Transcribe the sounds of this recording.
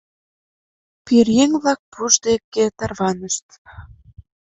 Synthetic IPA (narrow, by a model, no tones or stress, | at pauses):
pirjeŋβlɑk̚puʒd̪ekːet̪ɑrβɑnəʃt̪